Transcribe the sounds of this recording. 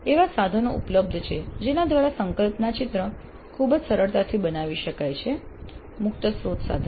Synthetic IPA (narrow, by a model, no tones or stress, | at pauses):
eʋasad̪ʱənoṵpləb̚d̪ʱt͡ʃʰed͡ʒenad̪ʋaɾasəŋkəlpnat͡ʃit̪ɾə | kʰubd͡ʒsəɾəɭt̪at̪ʰibənaʋiʃəkajt͡ʃʰe | mʊk̚t̪əsɾot̪sa̰d̪ʱə